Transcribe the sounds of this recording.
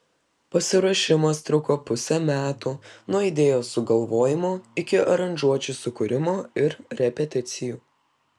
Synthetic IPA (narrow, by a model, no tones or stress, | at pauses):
pɐsʲɪɾɐːʃʲɪmɐst̪ɾʊkoːpʊsʲɛmʲæːt̪unuɔɪd̪ʲeːjoːsʊɡɐlˠʋoːjɪmoːɪkʲɪɐɾɐnʲʒuɔt͡ʃʲusʊkʊɾʲɪmoːɪɾɾʲɛpʲɛt̪ʲɪt̪sʲɪjuː